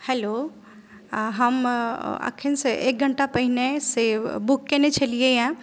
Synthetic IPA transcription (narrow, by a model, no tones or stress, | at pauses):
hɛlo | ɦəma̰kʰenseʔḛk̚ɡʱəɳʈapɐɦinesebʊkːenet͡ʃʰɐlieɦã